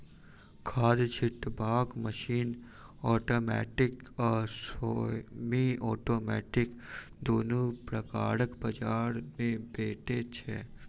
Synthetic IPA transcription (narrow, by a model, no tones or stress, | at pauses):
kʰaːd̪t͡ʃʰɪʈbaːkməʃiːn | ɔːʈoːmɛ̰ːʈɪkɔːɾsoːmiɔːʈoːmɛ̰ːʈɪkd̪oːnõpɾəka̰ːɾəkbɐd͡ʒaːɾmẽbeːʈet͡ʃʰɛː